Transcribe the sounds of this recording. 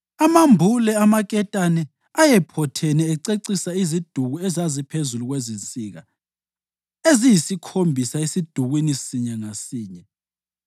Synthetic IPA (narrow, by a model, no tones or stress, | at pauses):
amambʱulɛamakʼɛtʼanɛ | ajɛpʰɔtʰɛnɛːǀeǀisaizid̥ʱuɣuɛzazipʰezuluɣwɛzint͡sʼiːɣa̰ | ezijisikʰombʱisaesid̥ʱuɣwinisiɲɛŋasiːɲɛ